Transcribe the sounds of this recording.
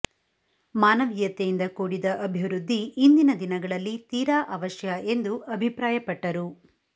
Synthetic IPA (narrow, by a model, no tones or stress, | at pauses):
maːnɐʋijɐt̪ejind̪ɐkuːɽid̪ɐʔɐbʱiʋɾud̪ʱːiːnd̪inɐd̪inɐɡɐɭɐlːit̪iːɾaːʔɐʋɐʃjɐɐʔe̞nd̪uɐbʱipɾaːjɐpɐʈːɐɾu